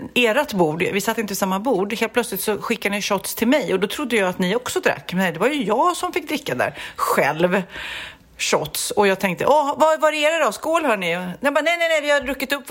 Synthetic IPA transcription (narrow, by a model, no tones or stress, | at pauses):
eːɾat̪buːɖvɪsat̪ːɪnt̪əpɔsamːabuːɖheːlt̪pʰlœt̪slɪt̪sɔɧɪkːad̪ɪɕɔt̪st̪ʰɪlmɛjɔd̪ɔt̪ʰɾʊd̪ːəjɑːat̪nɪɔksɔd̪ɾa̰kːmɛd̪ɛvaɾjɵjɑːɡsɔmfɪk̚ːd̪ɾɪkːad̪æ̰ːɾɧɛlv | ɕɔt̪sɔjɑːɡ̚t̪ʰɛŋk̚t̪ə̰ʔɔvavaɾɛeːɾad̪ɔskoːlhœːɳɪnɛbanɛjnɛnɛjvɪhaɾɵkːɪt̪ɵpː